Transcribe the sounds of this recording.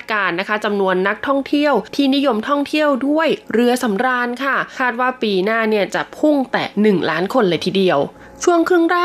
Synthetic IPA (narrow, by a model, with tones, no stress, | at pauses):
kaː˧nːa˦˥kʰa˦˥t͡ɕa˧mnu˧ənːa˦˥k̚t̪ʰɔ˥˩ŋt̪ʰi˥˩əwt̪ʰiː˥˩ni˦˥jo˧mt̪ʰɔ˥˩ŋt̪ʰi˥˩əwdu˥˩əjɾɯ˧ɐsa˩˦mɾaː˧nkʰa˥˩kʰaː˥˩t̪̚waː˥˩piː˧naː˥˩ni˥˩ɐt͡ɕa˨˩pʰu˥˩ŋt̪ɛ̰ː˨˩nɯ˨˩ŋlaː˦˥nkʰo˧nlɤː˧jt̪ʰiː˨˩di˧˩əw | t͡ɕʰu˥˩əŋkʰɯ˥˩ŋɾaː˥˩